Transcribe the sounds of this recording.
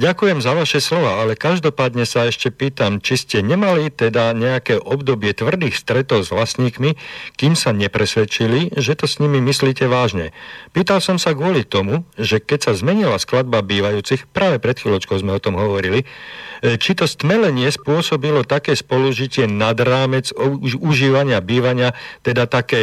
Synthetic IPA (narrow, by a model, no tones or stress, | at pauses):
ɟakujɛmzaʋaʃɛslɔʋaalɛkaʒd̪ɔpaːd̪ɲɛsaɛʃcɛpiːt̪amt͡ʃiscɛɲɛmalit̪ɛd̪aɲɛakɛːʔɔbd̪ɔbɪɛt̪ʋr̩d̪iːxst̪ɾɛt̪ɔʊzʋlasɲiːkmikiːmsaɲɛpɾɛsʋɛt͡ʃiliʒɛt̪ɔsɲimimisliːcɛʋaːʒɲɛ̰piːt̪alsɔmsaɡʊɔlit̪ɔmuʒɛkɛcsazmɛɲilasklad̪̚babiːʋajuːt͡sixpɾaːʋɛpɾɛt̪xiːlɔt͡ʃkɔʊzmɛɔt̪ɔmɦɔʋɔɾili | t͡ʃit̪ɔst̪mɛlɛɲɪɛspʊɔsɔbilɔt̪akɛːspɔluʒicɪɛnad̪ɾaːmɛd͡zuʒiːʋaɲɪabiːʋaɲɪat̪ɛd̪at̪akɛː